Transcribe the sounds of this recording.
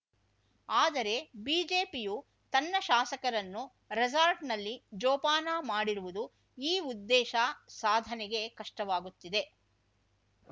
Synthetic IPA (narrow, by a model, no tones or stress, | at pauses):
aːd̪ɐɾe̞biːd͡ʒe̞ːpiju | t̪ɐnːɐʃaːsɐkɐɾɐnːu | ɾezaːɾʈnɐlːid͡ʒɔːpaːnaːmaːɽiɾuʋud̪u | iːud̪ːɛːʃasaːd̪ʱɐnɛɡe̞kɐʂʈɐʋaːɡut̪ːid̪e̞